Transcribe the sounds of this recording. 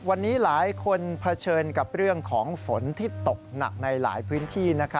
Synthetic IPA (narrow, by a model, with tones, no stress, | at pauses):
wa˧nːiː˦˥laː˩˦jkʰo˧npʰa˧t͡ɕʰɤː˧nka˨˩p̚ɾɯ˥˩əŋkʰɔː˩˦ŋfo˩˦nt̪ʰiː˥˩t̪o˨˩k̚na̰˨˩k̚na˧jla̰ː˩˦jpʰɯː˦˥nt̪ʰiː˥˩na˦˥kʰ